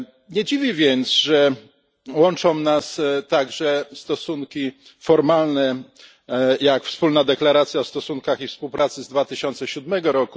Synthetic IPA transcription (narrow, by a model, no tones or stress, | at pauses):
ɲɛd͡ʑivʲivʲjɛnt̪sʐɛ | wɔnt͡ʂɔ̃w̃nast̪aɡʐɛst̪ɔsunkʲi | fɔɾmalnɛ | jakfspulnad̪ɛklaɾat̪sʲjaɔst̪ɔsunkaxifspuwpɾʔat̪sɘzd̪vat̪ɘɕɔnt̪sɛɕud̪mɛɡɔɾɔku